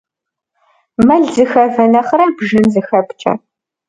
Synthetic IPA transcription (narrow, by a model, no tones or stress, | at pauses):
mɐɮzɨxɐvɐnɐχɐɾaːbʒɨnzɨxɐpt͡ʃʼɐ̰